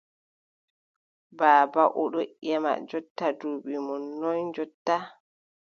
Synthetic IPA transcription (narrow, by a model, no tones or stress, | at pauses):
baːbaʔɔɗɔʔɛma̰d͡ʒɔtːaduɓimɔnːɔnd͡ʒɔtːa